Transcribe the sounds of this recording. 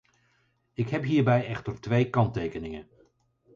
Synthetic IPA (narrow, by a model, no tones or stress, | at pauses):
ɪkɦɛpɦiːɹbɛjɛχtəɹtʋejkɑntejkənɪŋən